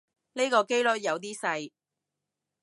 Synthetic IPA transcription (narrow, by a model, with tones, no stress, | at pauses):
ne˥kɔː˧ke˥jlɵ˥t̚jɐ˨˧wt̪̬iː˥sɐ˧j